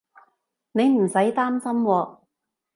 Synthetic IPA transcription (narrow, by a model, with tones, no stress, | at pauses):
ne˨˧jm̩˨˩sɐ˨˥jt̪aː˥msɐ˥mwɔː˧